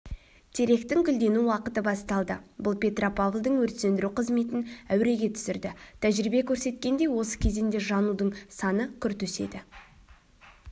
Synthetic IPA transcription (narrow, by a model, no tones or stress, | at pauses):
t̪ʰe̞ɾe̞kt̪ɪŋkʲʰʏld̪e̞nuwɑqət̪əbɑst̪ɑlˠd̪əbʊlˠpʲʰe̞t̪ropʰavlˠd̪əɴwɵɾt̪se̞nd̪ɪɾuqʰəzme̞t̪ɪnæwɾe̞ɡʲe̞t̪ʰʏ̥sɪɾd̪ɪt̪ʰæʒɾibe̞kʲʰɵɾse̞t̪̚kʲe̞nd̪e̞jwo̞sə̥kʲʰe̞zend̪e̞ʒɑnud̪əɴsɑnəkʲʰʏɾt̪ɵse̞̰d̪ɪ